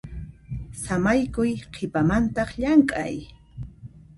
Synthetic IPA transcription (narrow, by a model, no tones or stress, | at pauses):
samajkʊjqʰɪpamant̪ɑχʎaŋkʼa̰j